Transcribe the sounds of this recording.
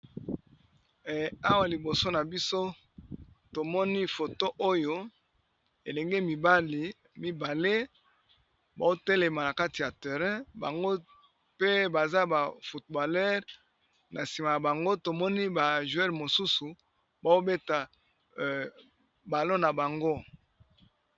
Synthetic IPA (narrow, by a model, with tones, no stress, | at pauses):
a˦wa˨li˨bo˨so˦na˨bi˦so˦ | to˨mɔ˦ni˦fo˨to˦ʔo˦jo˦ | e˨lɛ˨ŋɡe˦mi˨ba˦li˨ | mi˦ba˨le˦ | ba˨o˦tɛ˦le˨ma˨na˨ka˦ti˨ja˨te˨ʁɛ̃˦ba̰˨ŋɡo˦ | pe˦ba˨za˦ba˨fu˨t̚ba˨lɛ˦ʁ | na˨si˨ma˨ja˨ba˨ŋɡo˦to˨mɔ˦ni˦ba˨ʒu˨ɛ˦ʁmo˨su˦su˨ | ba˨o˦be˦ta˨ | ba˨lo˦na˨ba˨ŋɡo˦